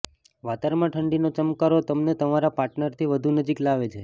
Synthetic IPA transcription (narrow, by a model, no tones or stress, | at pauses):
ʋat̪aɾmãʈʰəɳɖinot͡ʃəmkaɾot̪əmnet̪əmaɾapaɾʈnəɾt̪ʰiʋəd̪ʱunəd͡ʒiklaʋet͡ʃʰe